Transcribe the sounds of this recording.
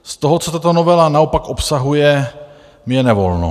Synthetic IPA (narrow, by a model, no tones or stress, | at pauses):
st̪o̞ɦot͡sot̪at̪o̞novɛlanaopakʔopsaɦujɛ | mjɛnɛvo̞̰lno̰